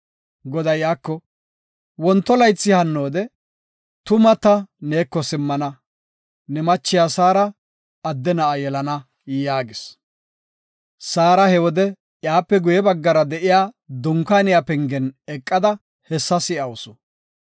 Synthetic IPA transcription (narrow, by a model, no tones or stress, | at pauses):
ɡɔd̪ɐjjaːkːɔ | wɔnt̪ːɔlɐjt͡sːɪhɐnːo̞ːd̪ɛ | t̪ʊmɐt̪ːɐne̞ːkːɔsɪmːɐnɐ | nɛmɐt͡ʃːɪjaːsaːɾɐ | ɐd̪ːɛnɐɐjɛlɐnɐ | jaːɡɪs | saːɾɐhɛwɔd̪ɛ | jaːpːɛɡʊjɛbɐɡːɐɾɐd̪ɛʔɪjaːd̪ʊŋkaːnɪjapɛŋɡɛnɛkʼːɐd̪ɐ | hɛsːɐsɪʔɐwʊsʊ̥